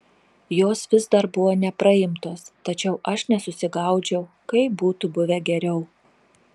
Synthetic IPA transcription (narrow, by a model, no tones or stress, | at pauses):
joːsʋʲɪzd̪ɐɾbʊʋoːnʲɛpɾɐɪmt̪oːst̪ɐt͡ʃʲɛʊʔɐʃnʲɛsʊsʲɪɡɐˑʊd͡ʒʲɛʊ | kɐɪbuːt̪ʊbʊʋʲɛɡʲɛɾʲɛʊ